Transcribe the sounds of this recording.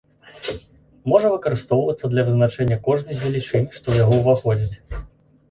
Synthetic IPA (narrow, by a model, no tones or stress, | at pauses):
mɔʐɐvɨkɐɾɨst̪ɔwvɐt̪sːɐd̪lʲɐvɨznat͡ʂɛnʲːɐkɔʐnɨɣʲvʲɛlʲit͡ʂɨnʲʂt̪ɔjaɣɔwvaxɔd͡zʲit͡sʲ